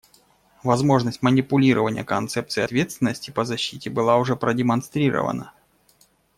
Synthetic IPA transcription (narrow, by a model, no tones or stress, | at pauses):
vɐzmo̞ʐnəsʲtʲmənʲɪpʊlʲiɾʔəvənʲɪjə̰kɐnt̪sɛp̚t̪sɨːɐt̪vʲe̞t̪st̪vʲɪnːəsʲtʲɪpəzɐɕːitʲɪbɨlˠaʊʐɛpɾədʲɪmɐnst̪ɾʲiɾə̰və̰nə̰